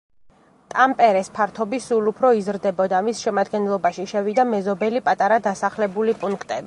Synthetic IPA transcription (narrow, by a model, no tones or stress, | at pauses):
t̪ʼampʼɛɾɛspʰaɾt̪ʰɔbisulupʰɾɔizɾd̪ɛbɔd̪amisʃɛmad̪ɡɛnlˠɔbaʃiʃɛvid̪amɛzɔbɛlipʼat̪ʼaɾad̪asaχlɛbulipʼuŋkʰt̪ʼɛbi